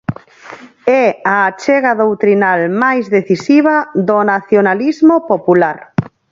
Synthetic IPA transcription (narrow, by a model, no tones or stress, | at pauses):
ɛaːt͡ʃɛɣaðowt̪ɾinalmajzðeθisiβaðonaθjonalizmopopulaɾ